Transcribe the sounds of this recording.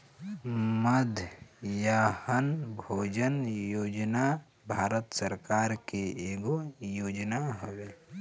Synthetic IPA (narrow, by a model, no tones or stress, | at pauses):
məd̪ʱjahənbʱoːd͡ʒənjoːd͡ʒna | bʱaːɾət̪səɾkaːɾkeeːɡojoːd͡ʒnaɦoʋeː